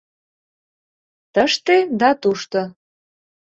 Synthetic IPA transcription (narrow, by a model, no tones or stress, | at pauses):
t̪əʃt̪ed̪ɑt̪uʃt̪ɤ̆